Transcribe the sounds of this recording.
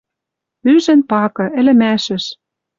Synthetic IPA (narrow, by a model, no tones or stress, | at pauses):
yʒɘ̆npɑkɤ̆ʔɘ̆lɘ̆mæʃɘ̆ʃ